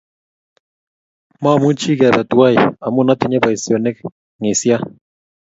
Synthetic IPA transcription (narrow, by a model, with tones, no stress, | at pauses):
ma˦˨mu˦t͡ʃi˦kɛ˨bɛ˨twa˦ja˨mʊ˦na˦tɪ˨ɲɛ˦ba˨i˨sjo˨ne˦k̚ | ŋɪ˨sja˦